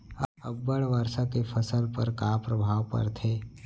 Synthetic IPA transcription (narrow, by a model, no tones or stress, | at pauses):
ɐbːəɽʋəɾsakepʰəsəlpəɾkaːpɾəbʱaːʋpɐ̰ɾt̪ʰeː